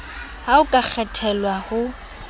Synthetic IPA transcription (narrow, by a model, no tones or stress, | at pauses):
haʊkʼak͡xʰɛtʰɛlwahʊ